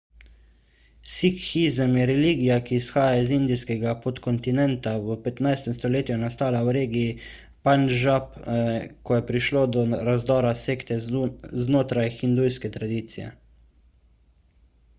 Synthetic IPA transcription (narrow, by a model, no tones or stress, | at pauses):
sikxizəmjɛɾɛliːɡijakiːsxaːjaizind̪ijskɛɡapot̪kɔnt̪inɛnt̪awəpɛt̪najst̪ɛmst̪ɔleːt̪juɛnast̪aːlawɾeːɡii | panʒapkɔjɛpɾiʃloːd̪ɔɾazd̪ɔːɾaseːkt̪ɛznoːt̪ɾajxind̪ujskɛt̪ɾad̪iːt̪sijɛ̰